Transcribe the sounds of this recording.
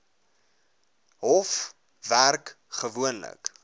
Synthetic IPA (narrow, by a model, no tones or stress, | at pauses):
ɦɔf | værk | χəvuənlə̰k